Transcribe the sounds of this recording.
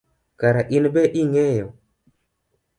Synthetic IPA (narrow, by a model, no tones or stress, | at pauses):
kaɾaʔinbeʔiŋejo